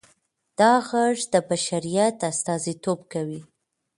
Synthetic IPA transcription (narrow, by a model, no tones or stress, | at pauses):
d̪̥ɑɣaʐd̪əbaʃaɾijat̪ast̪ɑzit̪obkawi